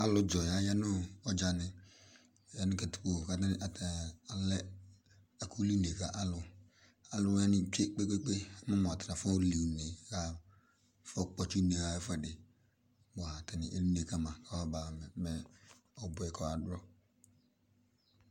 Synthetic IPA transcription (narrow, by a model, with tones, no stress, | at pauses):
a˦lʊ˦d͡ʒɔ˨ja˦ja˦nʊ˦ɔ˦d͡ʒa˨nɪ˨ | ja˦nɪ˦ka˨tu̥˨ko˨ka˨ta˦nɪ˦ʔa˨ta˨lɛ˦ | a˨kʰu˦li˦ne˨ka˦ʔa˦lʊ˨ | a˨lʊ˦ja˦nɪ˦˨t͡ʃe˦k͡pe˦k͡pe˦k͡pe˦a˦ma˦mɔ˨a˨tɾa˨fɔ˦li˨ne˨ka˦ | fɔ˦k͡pɔ˨t͡ʃi˦ne˨ɣa˨ɛ˦fɛ˦˨dɪ˨ | ba˨tɛ˨nɪ̰˨ʔe˦li˦ne˨ka˦mã˨ka˦a˦ba˨mɛ˨ɔ˨bʊ˨ɛ˨kʰɔ˨a˨dɾɔ˦